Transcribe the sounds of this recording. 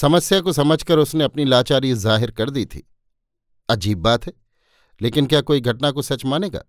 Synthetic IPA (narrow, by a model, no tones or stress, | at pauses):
sɐməsjakosɐməd͡ʒʱkɐɾʊsneɐpnilaːt͡ʃaːɾizaːɦɪɾkɐɾd̪it̪ʰḭː | ɐd͡ʒiːbːaːt̪ɦɛː | leːkɪnkjaːkoːiɡʱɐʈnakosɐt͡ʃmaːneːɡa̰ː